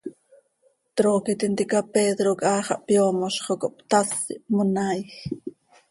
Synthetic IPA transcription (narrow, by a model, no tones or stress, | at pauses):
t̪ɾoːkit̪int̪ikɑpeːd̪ɾokʼɑːχɑʔpjoːmoʃχokoʔpt̪asḭmonajx